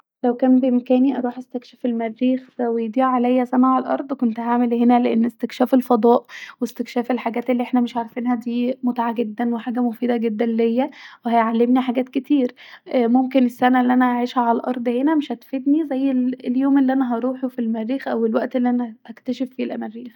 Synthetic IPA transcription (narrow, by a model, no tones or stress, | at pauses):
læwkæːmbeʔemkæːniʔɑɾˤuːħʔæst̪ækʃefelmærːiːxæwejd̪iːʕʕalæjːæsʔænæʕalælʔɑ̰ɾˤd̪ˤkont̪haʕmelhenæleʔenːest̪ekʃæːfelfɑd̪ˤɑːʔwest̪ekʃæːfelħaɡæːt̪elːiʔeħnæmeʃʕaʕɾˤfinhæd̪iːmot̪ʕaɡed̪ːænweħaːɡæmofiːd̪æɡed̪ːænlejːæwehæjʕalːemniħaɡæːt̪̚ket̪iːɾmomkenesːænæʔelːiʔænæʔaʕiːʃhæaælʔɑɾˤd̪ˤhenæmeʃæt̪fed̪nizæjːelljoːmelːiʔænæɦɑɾˤuːħufilmærːiːxʔæwelwæʔt̪elːiʔænæhækt̪æʃefːilʔæmærːiːx